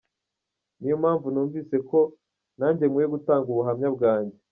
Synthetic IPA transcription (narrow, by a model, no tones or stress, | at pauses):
nijomaːɱvunuːɱviːse̞ko̞ | naɲɟemŋwejeɡutaːŋɡuβuɦamɲabɡaːɲɟe